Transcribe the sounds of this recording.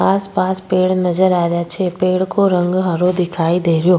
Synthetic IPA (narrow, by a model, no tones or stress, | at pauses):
aːspaːspeːɽnɐzəɾaːɾɐjat͡ʃʰepeːɽkoɾɐ̃ŋɡɦɐɾod̪ɪkʰaːid̪eːɾijoː